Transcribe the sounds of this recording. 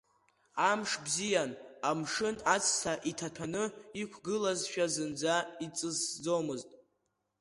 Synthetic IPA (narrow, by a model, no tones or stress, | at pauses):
amʂbzijanamʂɨnat͡sʰʼsʰaʔitʰatʰanɨikʷʰɡɨlazʃᶣazɨnd͡zait͡sʼɨzd͡zo̞mɨztʼ